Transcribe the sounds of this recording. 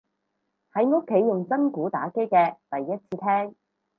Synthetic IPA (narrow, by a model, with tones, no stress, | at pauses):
hɐ˨˥jŋʊ˥kʰːe˨˥jːʊ˨˩ŋt͡sɐ˥nkuː˨˥t̪a̰ː˨˥ke˥jkɛː˧t̪ɐ˨jːɐ˥t̚t͡sʰiː˧t̪ʰɛː˥ŋ